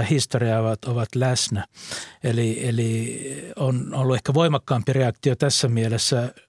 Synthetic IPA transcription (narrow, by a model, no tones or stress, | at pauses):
ɑhist̪oriɑoʋɑt̪oʋɑt̪læsnæelieli | onolːuehkæʋoimɑkːɑːmpireɑkt̪iot̪æsːæmielesːæ